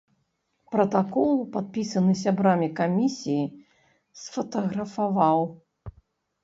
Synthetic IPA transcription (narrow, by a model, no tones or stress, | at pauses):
pɾɐt̪akɔlˠpat̪̚pʲisɐnɨs̬ʲabɾamʲikamʲisʲiji | sfɐt̪ɐɣɾɐfavaw